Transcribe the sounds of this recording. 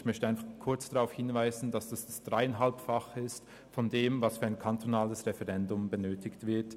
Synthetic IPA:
çmœçtəʔaɪnfɑχkʰʊɐt͡sd̥aʁaʊfhɪnvaɪzn̩dasd̥asd̥asd̥ʁaɪɛnɦalpfaχɪst | fɔndeːmvasfyɐaɪnkʰantʰonaːləsʁɛfɛʁɛndʊmbənøːtʰɪçtv̥ɪɐt

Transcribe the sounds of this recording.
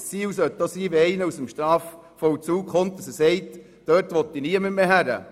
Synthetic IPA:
st͡siːwsœt̪dosiːʋeɛɪnəusəmʃt̪ɾɑːf | fɔwt͡suːkχont̪̚d̥ɑsəsɛɪt | d̥øːɾtʋɔt̪ːiniəməmeːɦæɾə̰

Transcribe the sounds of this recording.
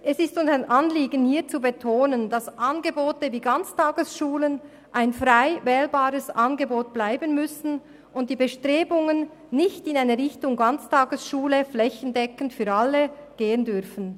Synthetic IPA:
ʔɛsɪstʊntnʔɑnliːɡənhiːt͡subetʰoːnəndɑsʔɑnɡəboːtəviːɡant͡staːɡəsʃuːlən | ʔaɪnfʁaɪvɛːlbaːɾəsɑnɡəboːt̚b̥laɪbənmʏsn̩ | ʔʊntd̥iːbəʃtʁeːbʊŋənː | ɪçtɪnaɪnəʁɪçtʊŋɡɑnt͡staːɡəsʃuːləflɛçən̩dɛkən̩tfyːɐɑləɡ̥eːəndʏʁfn̩

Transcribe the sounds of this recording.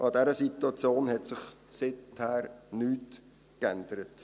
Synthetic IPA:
ʔɑdɛɾəsituɑt͡sjoːnhɛtsɪχsɪthæːɾnyːt | kændəɾət

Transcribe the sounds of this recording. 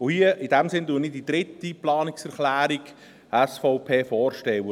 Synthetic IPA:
ʊhiəʔɪdæmsɪnduənɪdid̪ɾɪt̪ːiplɑːnɪksɛɾχlæːɾiɡ | æsfɔʊpʰeːfɔːrʃtɛwə

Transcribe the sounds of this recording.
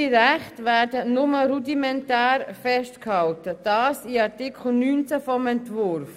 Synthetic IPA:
iɾæχtʋæːɾdənʊməɾudimɛntæːɾfɛstkhɑltəd̥ɑːsiɑɾtikʰχl̩nyːnt͡səfɔmɛntʋʊɾf

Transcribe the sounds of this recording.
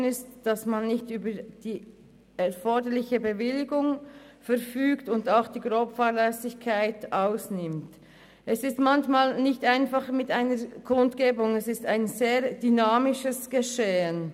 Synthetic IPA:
nɪstd̥ɑsmanːɪçtyːbəd̥iː | ɛɐfɔɐdəɾlɪçəbəvɪlɪɡʊŋ | fɛɾfyːktʊndaʊxd̥iːɡʁoːpfaːʁlɛsɪçkʰaɪtʔaʊsnɪmt | ʔɛsɪstmançmaːlnɪçtaɪnfɑχmɪtaɪnəɾkʰʊntɡ̥eːbʊŋɛsɪstaɪnzeːʁd̥ynaːmɪʃəsɡ̥əʃeːən

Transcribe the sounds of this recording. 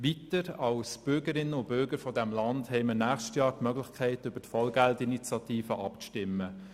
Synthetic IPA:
ʋitəɾɑwsb̥ʏɾɡəɾɪnːəʊb̥ʏɾɡəɾfɔdæmlɑndhɛɪmənæːχʃtjɑːɾtmœɡlɪçkʰɛɪtʏb̥ətfɔlɡæltinit͡sjɑtiːfəʔɑpt͡sʃtɪmːə

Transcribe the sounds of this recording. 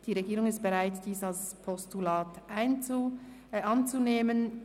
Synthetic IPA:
d̥iːʁeɡiːʁʊŋɪstb̥eʁaɪtd̥iːsalspʰɔstulaːtʔaɪnu | ʔɑnt͡suneːmən

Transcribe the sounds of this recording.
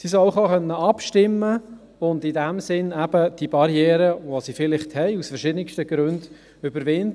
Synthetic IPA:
sisɔʊχɑːχœnːəɑpʃtɪmːə | ʊndidæmsɪnæb̥əd̥ibɑɾjɛːɾəʋosifɪlɪχthɛjusfəɾʃɪdənɪkʃtəɡ̥ɾønd | ʏbəɾʋɪnd

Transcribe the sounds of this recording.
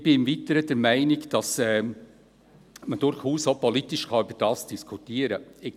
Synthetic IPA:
b̥ɪɪmvitəɾəd̥ɛɾmæɪnɪɡd̥ɑsɛː | məd̥ʊɾχuːsopɔlitɪʃkʰɑyb̥əɾd̥ɑːsd̥iskʰutiəɾəɪ

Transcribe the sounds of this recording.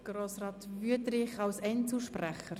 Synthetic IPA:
ɡ̥roːsrɑːtvyədɾɪχɑlsɛnsuʃprɛχəɾ

